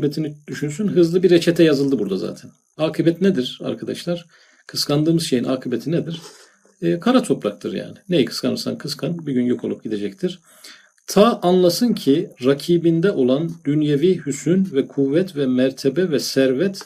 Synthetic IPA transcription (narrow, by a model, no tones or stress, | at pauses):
bet̪ʰinid̪̥yʃynsynɦɯzlˠɯbiɾet͡ʃʰɛt̪ʰɛjazɯlˠd̪ɯbuɾd̪aza̰ːt̪ʰɛn | aːkʰɯbɛt̪nɛd̪iɾ̥a̰ɾkʰad̪aʃlˠaɾ̥ | kʰɯskʰand̪ɯːmɯzʃe̞jinʔaːkʰɯbet̪ʰined̪iɾ̥ː | kʰaɾat̪ʰo̞pɾak̚t̪ʰɯɾja̰ːnɪnejikʰɯ̥skʰanɯɾsa̰nkʰɯskʰanbiɟynjo̞kʰolˠup̚ɟid̪e̞d͡ʒɛc̚t̪ʰiɾ̥ | t̪ʰaʔanlˠasɯncʰiɾacʰiːbind̪ɛʔo̞lˠand̪ynjevihysynvɛkʰuvːɛt̪vɛmæɾt̪ʰebɛvɛsæɾvɛt̪